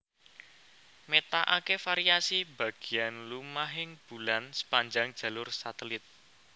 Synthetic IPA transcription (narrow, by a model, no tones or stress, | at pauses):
met̪aʔakefaɾiasib̥ä̤ɡ̥i̤janlumaɦɪŋb̥ulansə̥paɲd͡ʒaŋd̥ʒ̥ä̤lʊrsat̪əlɪt̪̚